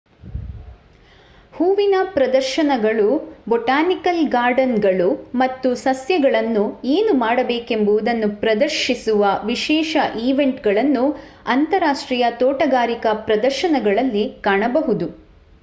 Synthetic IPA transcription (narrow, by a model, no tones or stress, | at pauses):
huːʋinɐpɾɐd̪ɐɾʃɐnɐɡɐɭubɔʈaːnikɐlɡaːɾɖɐnɡɐɭumɐt̪ːusɐsjɐɡɐɭɐnːueːnumaːɽɐbeːke̞mbuʋud̪ɐnːupɾɐd̪ɐɾʃisuʋɐʋiʃɛːʃɐʔiːʋe̞ɳʈɡɐɭɐnːu | ɐnt̪ɐɾaːʂʈɾiːjɐt̪oːʈɐɡaːɾikɐpɾɐd̪ɐɾʃɐnɐɡɐɭɐlːikaːɳɐbɐɦud̪u